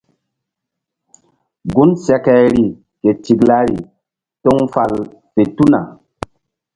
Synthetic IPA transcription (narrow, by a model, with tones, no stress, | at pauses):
ɡu˦nsɛ˦kɛ˦˨jɾi˨ | ke˨ti˨kla˦ɾḭ˨ | to˦ŋfa˨l | fe˨tu˦na̰˨